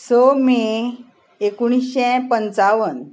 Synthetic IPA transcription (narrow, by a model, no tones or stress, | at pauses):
somi | ekuɽ̃isɕɛ̃pənt͡saʋən